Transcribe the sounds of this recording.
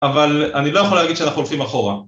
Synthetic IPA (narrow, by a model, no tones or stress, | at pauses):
avalanilo̞jeχolaɡid̪ʃeanaχnuolχimaχo̞ʁa